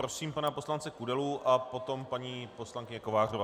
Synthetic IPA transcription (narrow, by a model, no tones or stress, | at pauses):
ɾosiːmpanaposlant͡sɛkudɛluʔapo̞t̪o̞mpaɲiːpo̞slaŋkɪɲɛkovaːrova